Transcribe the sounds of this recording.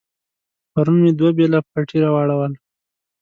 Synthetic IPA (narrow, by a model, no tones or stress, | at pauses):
paɾunmed̪wabelapaʈiɾawaɽawəl